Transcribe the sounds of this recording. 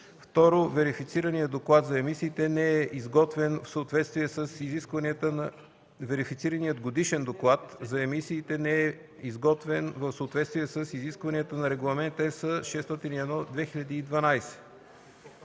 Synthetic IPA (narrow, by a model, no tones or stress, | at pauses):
ft̪ɔɾovɛɾifit̪siɾɐniəd̪oklˠat̪zɐɛmisiːt̪ɛnɛɛʔizɡɔt̪vɛnfsəot̪vɛt̪st̪viɛsəsiziskvənit̪ə | vɛɾifit̪siɾɐnijəd̪ɡod̪iʃɛnd̪oklˠat̪zɐɛmisiːt̪ɛnɛɛ | izɡɔt̪vɛnvəfsəot̪vɛt̪st̪viɛsəsiziskvɐniət̪ənɐɾɛɡlˠɐmɛnt̪əɛsəʃɛst̪ɔt̪iniɛd̪nɔd̪vɛxiʎʲɐd̪iːd̪vɐnajsɛ̥